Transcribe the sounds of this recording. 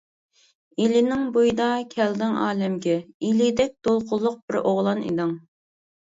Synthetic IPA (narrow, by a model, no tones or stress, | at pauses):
ilɪnɪŋbojd̪ɑkʲʰɛld̪ɪŋɑ̰ːlɛmɡʲɛilid̪ɛk̚ʲd̪̥olˠqʰʊlˠːʊq̚b̥ɪɾʔoʁlˠɑnḭd̪ɨŋ